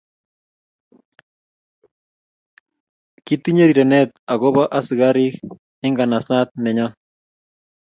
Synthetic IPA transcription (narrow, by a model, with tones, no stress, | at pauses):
ki˦t̪i˦ɲe˦ɾi˨ɾe˨nɛ˦t̪a˨ɣo˦βa˦ʔa˦si˨ɣa˦ɾi˦k | ɪ˦ŋɡa˨na˨sa˦t̪̚nɛ˨ɲa˦